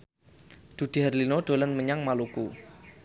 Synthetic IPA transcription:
d̪̥ṳd̪̥i̤ɦarlinoɖ̥o̤lənməɲaŋmalukṵ

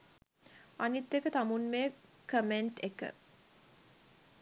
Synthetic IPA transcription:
anit̪ːekət̪amunme | kəmeɳʈekə̰

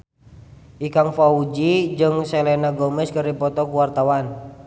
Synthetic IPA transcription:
ʔikaŋfaud͡ʒid͡ʒɨŋsɛlɛnaɡɔmɛskərdipɔt̪ɔkuwart̪awan

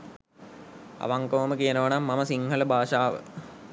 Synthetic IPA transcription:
ɐ̰ʋaŋkoʋɐməkijɐnɐʋɐnɐmːɐmɐsiŋhɐlɐbʱaːʃaːʋə̰

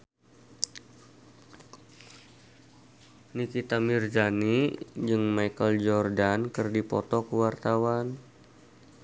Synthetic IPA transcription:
nikit̪amird͡ʒanid͡ʒɨŋmajkəld͡ʒɔrdankərdipɔ̰t̪ɔkəwart̪awan

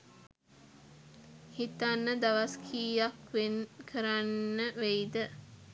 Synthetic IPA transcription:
hit̪anːəd̪aʋaskʰiːjakʋenkʰəɾanːəʋejd̪ə

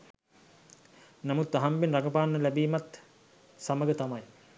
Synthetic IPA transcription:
namut̪ːaɦambenraɡəpaːnːəlæbiːmat̪ | saməɡət̪amaj

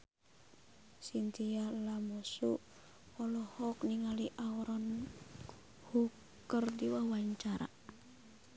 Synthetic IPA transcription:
sint̪ialamɔsu | ɔlɔhɔkniŋaliʔaɔɾɔn | hukː | ərdiwawaɲt͡ʃaɾa̰

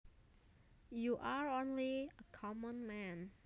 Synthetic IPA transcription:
juʔaɹõnliəkʰɔmə̃nmɛ̃n

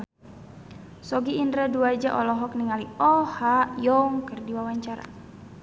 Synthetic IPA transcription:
sɔɡiːndɾaduad͡ʒaʔɔlɔɦɔk̚niŋaliɔhajɔŋkərdiwawaɲt͡ʃaɾa̰

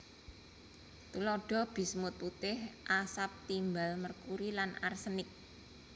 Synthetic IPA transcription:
t̪ulɔɖ̥ɔ̤b̥i̤smʊt̪̚put̪ɪhʔasap̚t̪imbalmərkuɾilanarsənɪk̚

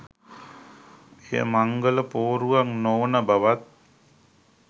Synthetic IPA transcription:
ḛjə̰maŋɡələpoːɾuʋaŋnoːnəbaʋat̪̚

